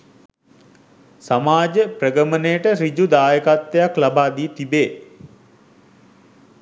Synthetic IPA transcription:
samaːd͡ʒəprəɡəmənejəʈəɾid͡ʒud̪aːjəkat̪ːejaklabaːd̪iːt̪ibeː

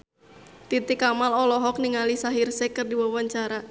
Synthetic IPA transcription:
t̪it̪ɪkamalɔlɔɦɔk̚niŋalisaɦirsɛkɨrdiwawaɲt͡ʃaɾa

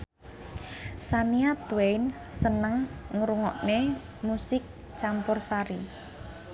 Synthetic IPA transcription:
saniat̪wejn | sənəŋŋɾuŋɔ̰ʔne | musɪk̚ | t͡ʃampɔrsaɾi

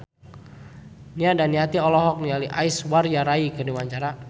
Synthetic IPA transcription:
niadaniat̪iɔlɔɦɔk̚nialiʔaiswarjaɾaikədiwaɲt͡ʃaɾa

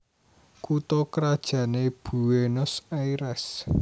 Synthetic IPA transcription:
kut̪ɔkɾad̥ʒ̥ä̤neb̥ṳwenʊsaiɾɛs

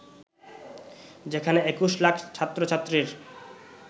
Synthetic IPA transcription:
d͡ʑekʰaneekuʃlakʰt͡ɕʰat̪ːɾot͡ɕʰat̪ːɾiɾ

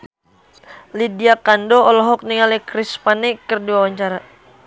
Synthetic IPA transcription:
lidiakandɔɔlɔɦɔk̚niŋalɛkɾispanikərdiwawaɲt͡ʃaɾa

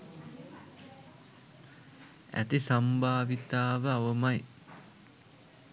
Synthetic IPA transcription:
æ̰t̪isambʱaːʋit̪aːʋəaʋəmaj

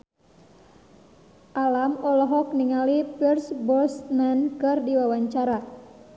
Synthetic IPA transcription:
ʔalamɔlɔɦɔk̚niŋalipirsbɔsmankɨrdiwawaɲt͡ʃaɾa

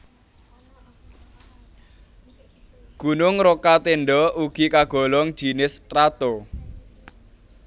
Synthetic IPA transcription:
ɡ̥ṳnʊŋrokat̪enɖɔuɡ̥ikaɡ̥ɔ̤lɔŋ̥ʒ̥i̤nɪst̪ɾat̪o

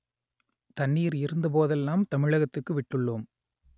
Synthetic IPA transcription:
t̪ɐnːiːɾɪɾɯnd̪ɐpoːðɛlːaːmt̪ɐmɪɻɐɣɐt̪ːɯkːɯʋɪʈːɯɭːuːm

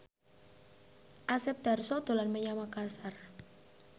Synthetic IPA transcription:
ʔasɛp̚d̪̥a̤rsɔd̪̥o̤lanməɲamakarsar

